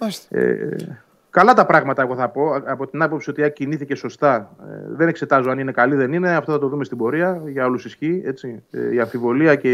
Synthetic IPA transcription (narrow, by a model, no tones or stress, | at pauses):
osḛ | kɐlɐt̪ɐpɾɐɣmɐt̪ɐe̞ɣo̞θɐpo̞ɐpo̞t̪inɐpo̞psio̞t̪iɐciniθice̞so̞st̪ɐ̰ðene̞kse̞t̪ɐzoɐnine̞kɐliðe̞nine̞ɐft̪oθɐt̪o̞ðumest̪ibo̞ɾiɐʝɐolusisçie̞t͡siiɐɱfivo̞liɐce